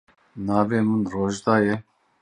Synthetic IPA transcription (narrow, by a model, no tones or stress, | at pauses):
nɑːveːmunroːʒd̪ɑːjɛ